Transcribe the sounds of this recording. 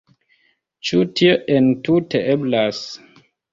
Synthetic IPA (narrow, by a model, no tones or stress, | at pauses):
t͡ʃutioʔentutʰeʔeblas